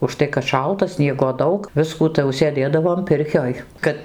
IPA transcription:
ʊʃˈtɐɪ kɐt ˈʃɐlˠtɐ ˈsʲnʲiɛɡoː ˈdɐʊk ˈʋʲɪskuː tɐɪ jɛʊ sʲeːˈdʲeːdɐʋoːm ˈpʲɪrʲkʲoːj ˈkɐt

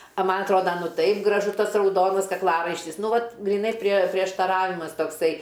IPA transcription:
ɐ ˈmɐnʲ ɐtˈroːdɐ ˈtɐɪp ɡrɐˈʒʊ ˈtɐs rɐʊˈdoːnɐs kɐkˈlˠɑːrɐɪʃʲtʲɪs ˈnʊ ˈʋɐt ɡrʲiːˈnɐɪ pʲrʲiɛ pʲrʲiɛʃtɐˈrɑːʋʲɪmɐs toːkˈsɐɪ

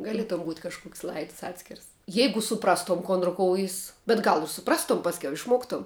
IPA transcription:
ɡɐˈlʲiɛtoːm buːtʲ kɐʃˈkʊksʲ ˈlˠɐɪts ˈɑːtʲsʲkʲɪrs ˈjɛɪɡʊ sʊˈprɑːstoːm ˈkoːn rʊˈkoːʊjɪs bʲɛt ˈɡɐlˠ ɪr sʊˈprɑːstoːm ˈpɑːsʲkʲɛʊ ɪʃˈmoːktoːm

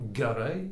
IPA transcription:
ɡʲɛˈrɐɪ

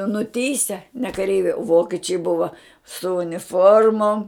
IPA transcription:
nʊˈtʲiːsʲɛ nʲɛ kɐˈrʲɛɪʋʲɛɪ ˈʋoːkʲɛt͡ʃʲɛɪ ˈbʊʋɐ sʊ ʊnʲɪˈfoːrmoːm

